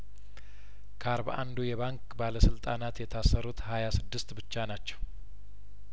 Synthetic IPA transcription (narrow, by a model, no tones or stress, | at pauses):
kʰəaɾbaʔand̪ujɛβaŋkʼbaləsɨlt̪ʼanat̪jɛt̪ʰasəɾut̪hajasɨd̪ːɨst̪bɨt͡ʃːanat͡ʃːɛw